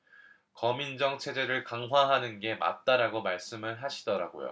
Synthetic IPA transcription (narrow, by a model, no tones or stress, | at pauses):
kʌmind͡ʑʌŋt͡ɕʰe̞d͡ʑe̞ɾɯɭkaŋɦwaɦanɯnɡe̞ma̰t̚t͈aɾaɡomaɭs͈ɯmɯɭɦaɕʰi̥dʌɾaɡo̰jo̰